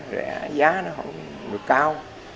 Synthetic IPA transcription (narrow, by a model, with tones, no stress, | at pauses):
zɛ̰˧˩zaː˨˦nɔ˨˦ɦə̰˧˥wŋ͡mŋ͡m | ɗɨ˨˩əkːaː˧w